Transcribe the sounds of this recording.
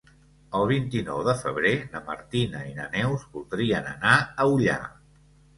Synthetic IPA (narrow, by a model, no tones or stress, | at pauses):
əlˠβ̞int̪inɔ̰wðəfəβ̞ɾenəmə̰ɾt̪inəinə̰nɛwzbulˠd̪ɾiənənaəuʎa̰